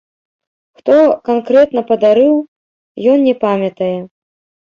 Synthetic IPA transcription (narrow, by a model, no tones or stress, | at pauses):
xt̪ɔkankɾɛt̪nɐpɐd̪aɾɨw | jɔnnʲɛpamʲɐt̪ɐjɛ